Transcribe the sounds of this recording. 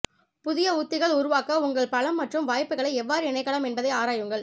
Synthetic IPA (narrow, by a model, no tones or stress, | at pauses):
pʊðɪjɐuːt̪ːɪɣɐɭʊɾʊʋaːkɐʊŋɡɐɭpɐlɐmːɐʈrɯmʋaːjpːɯɣɐɭɐɪɛʋːaːɾɯɪnɐɪkːɐɽɐmɛnbɐðɐɪaːɾaːjɯŋɡɐɭ